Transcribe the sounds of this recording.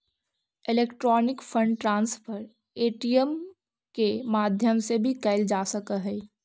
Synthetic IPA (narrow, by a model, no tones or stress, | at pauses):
ɪleːkʈɾɔːnɪkpʰə̃ɳɖʈɾãːnspʰəɾ | eːʈijəm | kemaːd̪ʱjəmsebʱikəɪld͡ʒaːsəkəɦɛː